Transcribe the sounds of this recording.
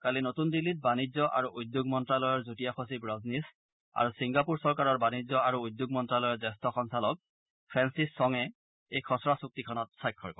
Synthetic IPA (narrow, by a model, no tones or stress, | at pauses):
kalinotundilːit̚banizɔʔa̰ɹuʔujd̪joɡmɔntɹalɔjɔɹzutijaxʰos̬ibɹɔznis | a̰ɹusiŋɡapuɹsɔɹkaɹɔɹbanizɔaɹuujd̪joɡ̚mɔntɹalɔjɔɹzɛstɔxɔŋsalɔk̚ | pʰɹɛnsisːɔŋɛ | ejkʰɔsɔɹasuk̚tikʰɔnɔt̚sajkʰːɔ̰ɹkɔ